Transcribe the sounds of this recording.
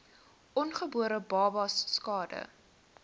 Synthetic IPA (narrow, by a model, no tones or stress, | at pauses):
ʔɔnχəbuəɾəbɑːbɐsːkɑːdə̰